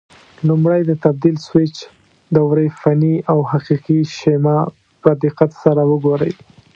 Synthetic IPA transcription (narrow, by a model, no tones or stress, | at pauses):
lumɽajd̪ət̪ab̚d̪ilswɪt͡ʃ | d̪əwɾəjfaniawhaqiqiʃemɑ | bɾad̪iqat̪saɾawəɡoɾə̰j